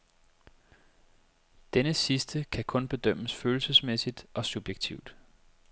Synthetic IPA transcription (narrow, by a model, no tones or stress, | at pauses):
d̥enəsisd̥əkʰækʰɔ̽nb̥e̝d̥øm̰əsføːl̩səsmesid̥ʔɒ̽sub̥jeɡ̥̚t͡sʰiʊd̥